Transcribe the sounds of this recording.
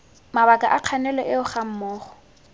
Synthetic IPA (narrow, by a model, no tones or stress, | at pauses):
maβakʼaʔaq͡χʰanɛlɔʔɪʊχam̩mɔːχɔ̥